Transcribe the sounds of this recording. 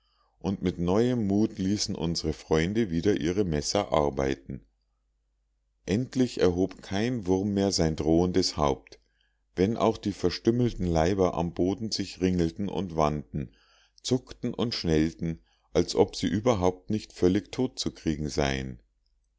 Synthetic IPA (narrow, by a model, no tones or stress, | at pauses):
ʔʊntmɪtnɔʏəmːuːtliːsn̩ʔʊ̰nzəʁəfʁ̥ɔʏndəviːdɐʔiːʁəmɛsɐʔa̰ɐba̰ɪtn̩ | ʔɛntʰlɪçɛɐɦoːpkʰaɪnvʊʁmːeːɐzaɪndʁoːəndəshaʊp̚t | vɛnʔa̰ʊxd̥iːfɛɐʃtʏml̩tn̩laɪbɐʔa̰mboːdn̩zɪçʁɪŋl̩tn̩ʔʊ̰ntv̥andn̩ | t͡sʊktn̩ʔʊntʃnɛltn̩ | ʔalsʔɔpz̥iːʔyːbɐɦaʊp̚tnɪçtfœlɪçtʰoːt̚t͡sukʁ̥iːɡŋ̩zaɪən